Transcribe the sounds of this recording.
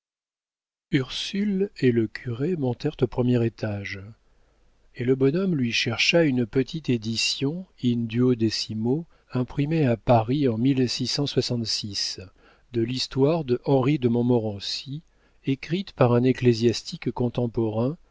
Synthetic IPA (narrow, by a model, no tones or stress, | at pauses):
yʁsyleləkʲʰyʁemɔ̃t̪ɛʁt̪opχəmjɛʁet̪ʰaʒ | eləbɔnɔmlɥiʃɛʁʃaynpət̪ʰit̪ed̪isjɔ̃ind̪yod̪esimo | ɛ̃pχimeapaʁiɑ̃milsisɑ̃swasɑ̃t̪sis | d̪əlist̪waʁd̪əʔɑ̃ʁid̪əmɔ̃mɔʁɑ̃si | ekχit̪paʁɛ̃neklezjast̪ʰikːɔ̃t̪ɑ̃pɔʁɛ̃